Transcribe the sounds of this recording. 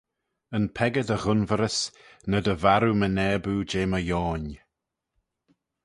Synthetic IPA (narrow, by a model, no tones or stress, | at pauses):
ənpʰɛɡədəɣʊnvəɾəsnədəvaɾumənɛːbuːd͡ʒeːməjɔːn